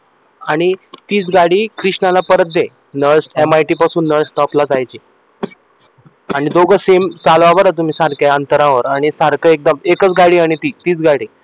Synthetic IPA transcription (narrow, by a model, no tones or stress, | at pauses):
aɽ̃it̪iːt͡sɡaɽiːkɾiʂɳalapəɾət̪̚d̪e | nəɭsemajʈiːpasuːnːəɭsʈɔplad͡zajt͡ɕiː | aɽ̃id̪oɡəsemsalʋaʋəɾat̪um̤iːsaɾkjaənt̪əɾãʋəɾaɽ̃isaɾkəek̚d̪əmekət͡sɡaɽiːaɽ̃it̪iːt̪iːt͡sɡaɽiː